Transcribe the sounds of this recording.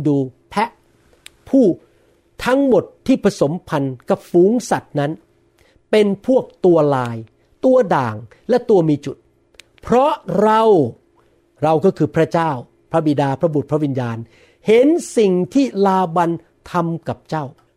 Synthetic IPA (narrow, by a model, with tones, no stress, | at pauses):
duː˧pʰɛ˦˥ʔ | pʰuː˥˩ | t̪ʰa˦˥ŋmo˨˩t̪ʰːiː˥˩pʰɾa˧so˩˦mpʰa˧nka˨˩p̚fuː˨˦ŋsa˨˩t̪̚na˦˥n | pe˧npʰu˥˩ək̚t̪u˧ɐlaː˧j | t̪u˧ɐdaː˨˩ŋ | lɛ˦˥t̪u˧ɐmiː˧t͡ɕu˨˩t̪̚ | pʰɾɔ˦˥ɾa˧w | ɾa˧wkɔː˥˩kʰɯː˧pʰɾa˦˥t͡ɕaː˥˩w | pʰɾa˦˥bi˨˩daː˧pʰɾa˦˥bu˨˩t̪̚pʰɾa˦˥wi˧njaː˧n | he˨˦nsi˨˩ŋt̪ʰiː˥˩laː˧wa˧n | t̪ʰa˧mka˨˩p̚t͡ɕaː˥˩w